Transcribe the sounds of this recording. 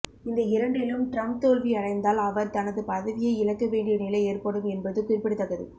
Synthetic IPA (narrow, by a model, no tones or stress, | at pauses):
ɪnd̪ɐɪɾɐɳɖɪlɯmʈɾɐm̚t̪oːlʋiɐɽɐɪnd̪aːlɐʋɐɾt̪ɐnɐðɯpɐðɐʋɪjɐɪɪɻɐkːɐʋeːɳɖɪjɐnɪlɐɪeːrpɐɽɯmɛnbɐðɯkuːrpːɐɽɯt̪ːɐɣɐðɯ̰